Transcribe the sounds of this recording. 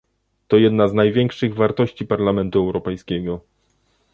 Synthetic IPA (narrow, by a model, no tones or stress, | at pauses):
t̪ɔjɛd̪naznajvʲjɛŋkʂɘɣvaɾt̪ɔɕt͡ɕipaɾlamɛnt̪uɛwɾɔpɛjskʲɛɡɔ